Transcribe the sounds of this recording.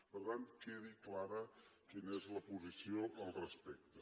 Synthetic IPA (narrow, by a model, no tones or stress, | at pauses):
bəɾt̪ankeðiklaɾəkinəezləpuzisioʔəlˠrəspɛk̚t̪ə